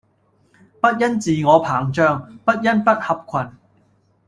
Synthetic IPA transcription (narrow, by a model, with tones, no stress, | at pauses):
pɐ˥t̚jɐ˥nt͡siː˨ŋɔː˨˧pʰaː˨˩ŋt͡ʃœː˧ŋpɐ˥t̚jɐ˥npɐ˥t̚hɐ˨p̚kʷʰɐ˨˩n